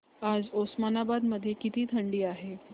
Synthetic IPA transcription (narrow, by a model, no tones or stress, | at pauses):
ad͡zosmanabad̪məd̪ʱːjekit̪iːt̪ʰəɳɖiːaɦe